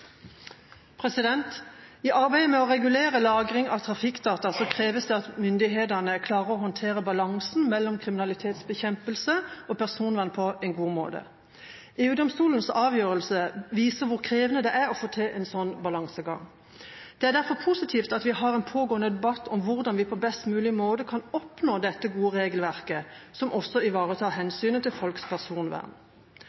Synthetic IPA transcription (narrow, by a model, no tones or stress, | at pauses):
pʰʁɛsɪd̪ɛnt̪iʔɑʁbæɪd̪əmɛɔʁɛɡʉleːʁəlɑːɡʁɪŋɑʋt̪ʰʁɑfɪkːd̪ɑːt̪ɑsɔkʰʁeːʋəsd̪ɛɑt̪mʏnd̪ɪɦeːd̪ənəkʰlɑːʁəʁɔhɔnt̪ʰeːʁəbɑlɑŋsn̩mɛlːɔmkʰʁɪmɪnɑlɪt̪ʰeːt̪sbəçɛmpəlsəʔɔpʰæʁsuːnʋɛnəpʰɔɛnɡuːmo̰ːd̪ə̰ | eːʉːd̪ɔmst̪uːln̩sɑːʋjøːʁəlsəʋiːsəʁʋʊʁkʰʁeːʋənəd̪ɛʔæʁɔfoːt̪ʰɛʔɛnsɔnːbɑlɑŋsəɡɑ̰ŋ | d̪̥ɛæːʁd̪æʁfɔʁpʰusɪt̪ʰiːft̪ɑt̪ʋɪɦɑʁɛɪnpʰoːɡoːənəd̪ɛbɑt̪ːɔmʋʊʁd̪ɑnʋɪpʰɔbɛst̪mʉːlɪmoːd̪əkʰɑnɔpnoːd̪ɛt̪ːəɡuːəʁeːɡəlʋæʁkəsɔmʔɔsːɔɪʋɑːʁət̪ʰɑːʁhɛnsyːnət̪ʰɪlfɔlkspʰæʁsuːnʋæ̰ʁn